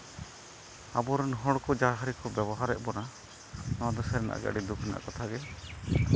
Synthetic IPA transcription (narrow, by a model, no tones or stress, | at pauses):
abɔɾɔnɦɔɽkɔd͡ʒaɦaɾikɔbɛbɔɦaɾɛʔbɔna | nɔwad̪ɔsaɾɛna̰ʔa̰ɡa̰ɖid̪ukʰɛna̰a̰kɔt̪ʰaɡɛ